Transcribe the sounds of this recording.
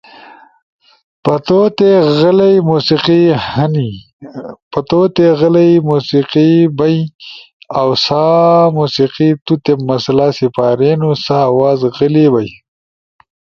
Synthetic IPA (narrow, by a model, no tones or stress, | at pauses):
pɐt̪ot̪eɣəlɐjmusiqihɐni | pɐt̪ot̪eɣəlɐjmusiqibɐj | awsamusiqit̪ut̪emːɐslasipaːɾenusawaːzɣəlibaj